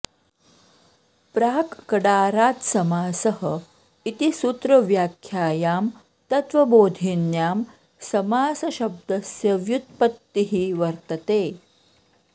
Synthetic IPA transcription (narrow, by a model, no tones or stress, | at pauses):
pɾaːkkɐɽaːɾaːt̪sɐmaːsɐɦə | it̪isut̪ɾɐʋjaːkʰjaːjaːm | t̪ɐt̪ʋɐboːd̪ʱinjaːm | sɐmaːsɐɕɐb̚d̪ɐsjɐʋjut̪̚pɐt̪ːiɦiʋɐɾt̪ɐt̪eː